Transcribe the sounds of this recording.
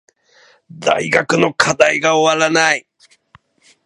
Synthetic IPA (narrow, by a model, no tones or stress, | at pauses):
d̪a̰jɡakɯ̟nokʰad̪ajɡaowaɾanaj